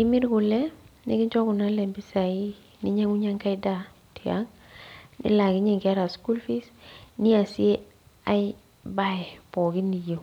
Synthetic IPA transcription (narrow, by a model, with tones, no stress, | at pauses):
ɪ˦mɪ˦ɾkʊ˨lɛ˦nɪ̰˦kɪ˦d͡ʒɔ˦kʊ˨na˦lɛ˨mbi˦sa˨i˦ | nɪ˦ɲa˦ŋu˦ɲa˦ŋka˦ɪ˦da˦ | ti˨a̰˦ŋ | nɪ̰˦la˨kɪ˦ɲɛ˦˨ŋka˦ɾa˨sku˦lfi˦sni˦a˨si˦e˦ | a˦ɪ | ba˦˨pɔ˨kɪ˦ni˨jo˨